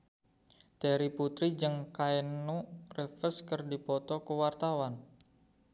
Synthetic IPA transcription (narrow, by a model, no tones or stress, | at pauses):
t̪ɛɾiput̪ɾid͡ʒɨŋkaɛnurefəskərdipɔt̪ɔkəwart̪awan